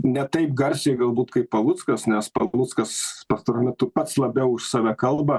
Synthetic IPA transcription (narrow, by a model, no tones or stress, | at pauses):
nʲɛt̪ɐɪp̚ɡɐɾʲsʲɛɪɡɐlˠbuːt̪kɐɪppɐlˠʊt̪skɐsnʲɛspɐlˠʊtskɐspɐst̪oɾoːmʲɛt̪ʊpɐt̪slˠɐbʲɛʊʊʃsɑːʋʲɛkɐlˠbɐ